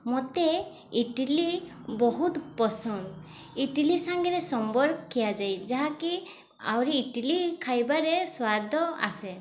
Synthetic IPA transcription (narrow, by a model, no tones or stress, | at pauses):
mot̪e | iʈili | bɔɦut̪pɔsɔn | iʈilisaŋɡɛɾesɔmbɔɾkɔkʰːijad͡ʒajd͡ʒaɦaki | a̰wɾiːʈilikʰajbaɾeswad̪ʱɔa̰se